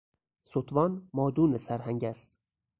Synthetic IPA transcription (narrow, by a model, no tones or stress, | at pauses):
sot̪ʰvɒnmɒːd̪unɘsæɾɦæŋɟʲæst̪